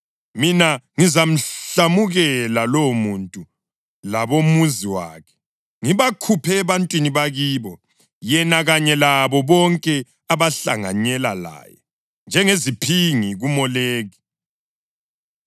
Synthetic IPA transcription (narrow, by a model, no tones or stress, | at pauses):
minaŋizam̩ɬamuɣɛlalomuntʼu | laβomuziwa̰ːkʰɛ̥ | ŋiβakʰupʰɛːβantʼwiniβaɣiːβɔ | jɛnaɣaɲɛlaβɔβɔŋkʼɛ | aβaɬa̰ŋa̰ɲɛla̰la̰ːjɛ̰ | nd͡ʒʱɛŋezipʰiŋiɣumɔleːɣi